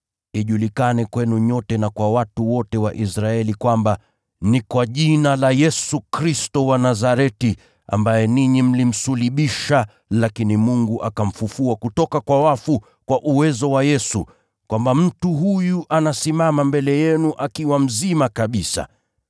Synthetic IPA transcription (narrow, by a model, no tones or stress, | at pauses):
iʄulikanɛkwɛnuɲɔtɛnakwawatuwɔtɛwaʔisɾaɛlikwamba | nikwaʄinalajɛsukɾistɔwanazaɾɛti | a̰mbajɛniɲim̩lim̩suliɓiʃa | lakinimuŋɡuʔakam̩fufuakutɔkakwawafu | kwaʔuwɛzɔwajɛsṵ | kwambam̩tuɦujuʔanasimamambɛlɛjɛnuʔakiwam̩zimakaɓisa̰